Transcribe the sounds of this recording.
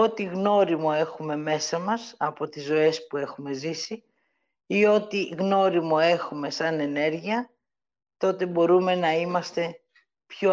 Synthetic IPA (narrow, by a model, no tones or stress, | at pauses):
ot̪iɣno̞ɾimo̞e̞xume̞me̞sɐmɐsɐpo̞t̪izo̞e̞spue̞xume̞zisi | io̞t̪iɣno̞ɾimo̞e̞xume̞sɐne̞ne̞ɾʝiɐ | t̪o̞t̪e̞bo̞ɾume̞nɐimɐst̪e̞ | pço